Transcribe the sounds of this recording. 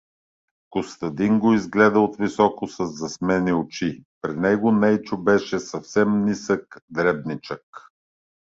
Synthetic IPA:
kʊst̪ɐd̪iŋɡoizɡlɛd̪əot̪visɔkʊsɐzːɐsmɛniot͡ʃipɾinɛɡonɛjt͡ʃʊbɛʃɛsɐfsɛmnisəkd̪ɾɛbnit͡ʃək

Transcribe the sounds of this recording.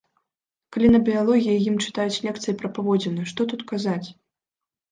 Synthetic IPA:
kalʲinɐbʲialˠɔɣʲijɐjimt͡ʂɨ̥t̪ajut͡sʲlʲɛkt̪sɨjipɾɐpavɔd͡zʲɛnɨʂt̪ɔt̪ut̪kazat͡sʲ

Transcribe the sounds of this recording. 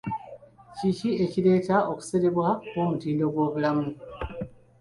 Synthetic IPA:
cicie̞cile̞ːtaʔoku̥se̞ɾe̞βwako̞ːmutiːndo̞ɡwo̞ːβulamu

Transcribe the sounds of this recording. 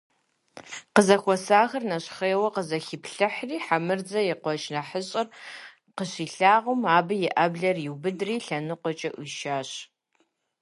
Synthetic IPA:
qəzɐxʷɔsaːxɐrnɐɕχeːwɐqəzɐxipɬɨħriːħamɨrd͡zɐjɪqʷɔʃnɐħəɕʼɪr | qəɕiːɬaːʁʊmaːbɨjɪʔɐbɮɐrjɪwbɨdriːɬɐnɨqʷɔt͡ʃʼɐʔʊʃaːɕ

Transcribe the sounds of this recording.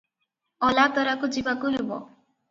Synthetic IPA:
ɔlat̪ɔɾakud͡ʒibakuɦebɔ̰

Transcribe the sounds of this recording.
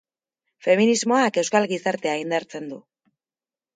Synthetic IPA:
fe̞minizmo̞ake̞wskalɣisaɾt̪e̞aind̪aɾt͡se̞nd̪u

